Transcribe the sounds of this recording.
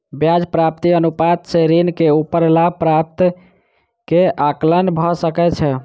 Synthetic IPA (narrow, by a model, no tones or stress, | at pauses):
bjad͡ʒpɾap̚t̪iənupat̪̚sʰeɾinkeupəɾlapɾap̚t̪ | keaklənbʱɔsəkɛt͡ʃʰɛ